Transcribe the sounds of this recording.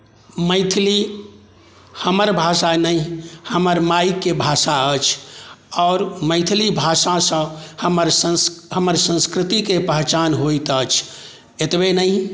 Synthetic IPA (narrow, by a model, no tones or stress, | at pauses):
məɪt̪ʰli | həməɾbʱasanəihəməɾmajkːebʱasaət͡ʃʰɔːɾməɪt̪ʰlibʱasasə̃həməɾsəsɦəməɾsə̃nskɾɪt̪ikepəɦt͡ʃanɦoit̪ət͡ʃʰ | et̪benəi